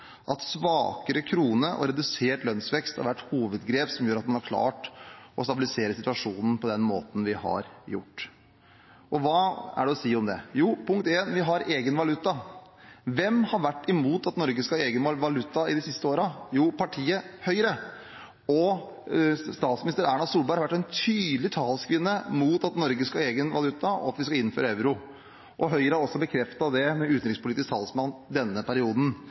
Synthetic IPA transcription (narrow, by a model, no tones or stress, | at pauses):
ʔɑt̪sʋɑːkəɾəkʰɾuːnəʔɔ̰ɾɛd̪ʉseːʈlœnsʋɛkst̪hɑ̰ɾʋæʈːhuːʋəd̪ɡɾeːpsɔmjøːɾɑt̪mɑnɑɾkʰlɑ̰ːʈʔɔst̪ɑbɪlɪseːɾəsɪt̪ʉʋɑʂuːnən̩pʰɔd̪ɛnmo̰ːt̪n̩ʋɪhɑ̰ɾjʊ̰ʈː | ʔɔʋɑːæ̰ɖɛɔsiːɔmd̪ɛjuːpʰʊŋkt̪eːnʋɪɦɑɾeːɡənʋɑlʉt̪ːɑ | ʋɛmhɑɾʋæʈːɪmuːt̪ɑt̪nɔɾɡəskɑeːɡənʋɑlʉt̪ːɑɪd̪ɪsɪst̪əoːɾɑjuːpʰɑʈʰiːəhœʏɾə | ɔ | st̪ɑːt̪smnɪst̪əɾæːɳɑsuːlbɑɪɾhɑʋæʈːɛnt̪ʰyːd̪lɪt̪ʰɑːlskʋɪnːəmuːt̪ɑt̪nɔɾɡəskɑeːɡənʋɑ̰lʉt̪ʰːɑɔ̰ɑt̪ʋɪskɑɪn̩ːføːɾɑɛʋɾʊ | ʔɔɦœʏɾəhɑɾɔsːɔbəkʰɾɛft̪ɑd̪ɛmɛʉːt̪n̩ɾɪkspʊlɪt̪ɪst̪ʰɑ̰lsmɑnd̪ɛnːəpʰæɾɪuːd̪n̩